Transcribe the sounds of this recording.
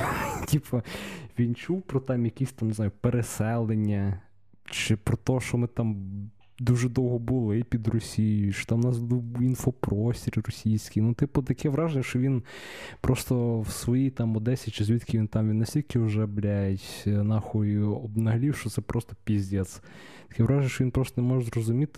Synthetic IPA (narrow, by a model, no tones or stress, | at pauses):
tʲipɔʋʲint͡ʃuwpɾɔt̪ɑmjɐkʲisʲt̪ɑmneznɑjʊpeɾesɛlˠenʲːɐ | t͡ʃɪpɾɔt̪ɔʃt͡ʃɔmɪt̪ɑm | d̪uʒɛd̪ɔwɦɔbʊlˠɪpʲid̪rɔsʲijjjʊʃt͡ʃɔ̥t̪ɑmnɑsbʊlˠɪinfɔpɾɔsʲtʲiɾʲɾɔsʲijsʲkʲinut̪ɪpɔt̪ɐkɛʋɾɑʒenʲːɐʃt͡ʃɔʋʲinpɾɔst̪ɔwsʋɔjit̪ɑmɔd̪ɛsʲit͡ʃɪzʲʋʲit̪kʲɪʋʲint̪ɑmʋʲinːɐsʲtʲilʲkɪʊʒɛblʲajjetʲnɑxɔiɔbnɐɦɐlʲiwʃt͡ʃɔt̪sɛpɾʔɔst̪ɔ̥pʲizʲdʲɛt̪s | t̪ɐ̥kɛʋɾɑʒenʲɐʃt͡ʃɔʋʲinpɾɔst̪ɔnemɔʒɛzrɔzʊmʲit̪ɪ